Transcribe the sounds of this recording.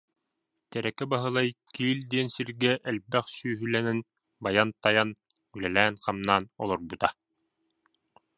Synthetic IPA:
t̪æɾækɘbɑɦɤ̆lˠɑjkiːld̪eːnsiɾɡæʔælbæχsyjɦylænɘn | bɑjɑnt̪ɑjɑn | ʉlælæːŋqɑmnɑːnolˠoɾbut̪ɑ

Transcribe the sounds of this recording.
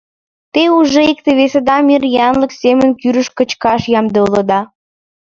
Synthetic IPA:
t̪euʒeik̚t̪eβesed̪ɑmirjɑnlə̆ksemənkyɾəʃkə̆t͡ɕkɑʃjɑmd̪eulə̆d̪ɑ

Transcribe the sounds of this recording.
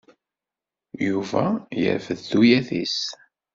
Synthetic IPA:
juvæjə̰ɾvəðːujæθis

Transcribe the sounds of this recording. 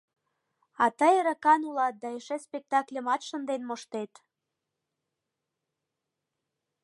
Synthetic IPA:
ɑt̪əjəɾəkɑnulɑt̪̚d̪ɑeʃespʲek̚t̪ɑklʲemɑt̪ʃə̆nd̪enmoʃt̪et̪

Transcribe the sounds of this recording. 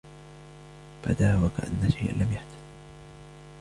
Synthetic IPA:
ba̰d̪aːwakaʔa̰nːaʃajʔa̰nlamjaħt̪ḁd̪

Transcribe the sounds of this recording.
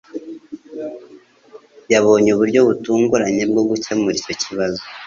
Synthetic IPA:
jaβo̞ːɲeuβuɾɟo̞βutuːŋɡuɾaɲe̞b̚ɡo̞bɡucemuɾico̞ciβazo

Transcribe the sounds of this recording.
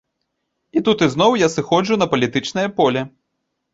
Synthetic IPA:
it̪ut̪ɨzn̪ɔwjasɨxɔd͡ʐunɐpɐlʲit̪ɨt͡ʂnɐjɐpɔlʲɛ

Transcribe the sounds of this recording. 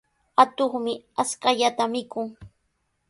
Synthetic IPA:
at̪oχmɪaskaʎat̪amɪkʊŋ

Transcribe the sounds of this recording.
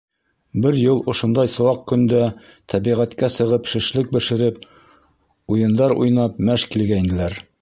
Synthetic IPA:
bɘɾjɤlˠŏʃŏnd̪ɑjsɤ̆wɑq̚kɵ̆nd̪æ | t̪ʰæbiʁæt̪kæsɤ̆ʁɤpʃɘ̆ʃlɘk̚bɘ̆ʃɘ̆ɾɘp | ujɤ̆nd̪ɑɾṵjnɑp̚mæʃkilɡæind̪ɘ̆læɾ

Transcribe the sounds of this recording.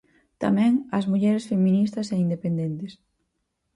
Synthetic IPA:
t̪a̰mɛ̃ŋɐzmuʎɛɾesfemĩnist̪ɐseind̪epend̪ent̪es

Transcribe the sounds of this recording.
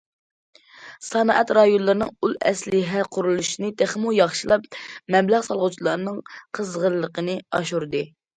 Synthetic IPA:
sɑnɑʔɛt̪ɾɑjunlˠɨɾnɨŋulɛ̰slɪɦɛqʰʊɾulˠuʃinɨt̪ʰeχmujɑχʃilˠɑpmɛmlæʁsɑlˠʁʊt͡ʃʰilˠɑɾnɨŋqʰəzʁəɾlːˠəqənɨɑʃuɾd̪ɨ

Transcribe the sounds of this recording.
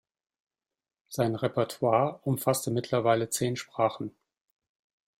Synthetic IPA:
z̥aɪnʁɛpɛɐtʰwaːɐʔʊmfastəmɪtʰlɐvaɪlət͡seːnʃpʁ̥aːχn̩

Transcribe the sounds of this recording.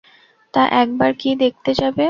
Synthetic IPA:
t̪aʔɛk̚baɾkid̪ek̚t̪ed͡ʑabe

